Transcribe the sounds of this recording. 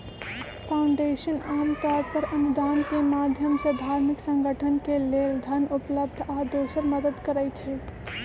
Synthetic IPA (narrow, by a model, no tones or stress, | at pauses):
pʰaʊɳɖeʃənaːmkaɖ̚pəɾənud̪aːnkemad̪ʱjəmsəd̪ʱaːɾmiksə̃ŋɡʱəʈʰənkeleːld̪ʱənupləbd̪ʱad̪oːsəɾməd̪əd̪kəɾəjt͡ʃʰɛ